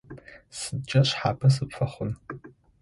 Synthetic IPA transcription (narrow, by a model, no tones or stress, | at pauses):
sɨt͡ʃʼɐɕħa̰ːpʰɐs̬ɨpfɐχʷʊn